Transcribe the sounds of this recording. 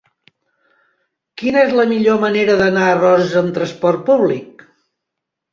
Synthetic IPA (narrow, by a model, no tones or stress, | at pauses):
kinəezləmiʎoməneɾəðənaərɔzəzəmt̪ɾəspɔrt̪̚puβlik̚